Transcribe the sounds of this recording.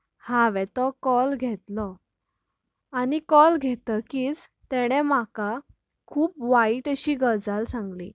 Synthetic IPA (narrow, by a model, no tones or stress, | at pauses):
hãʋɛt̪ɔkɔlɡʱɛt̪lɔ | añikɔlɡʱɛt̪əkiːd͡z | t̪ɛɽ̃ɛmaka | kʰuːpʋaiʈəɕiːɡəɾd͡zalsãŋɡlḭː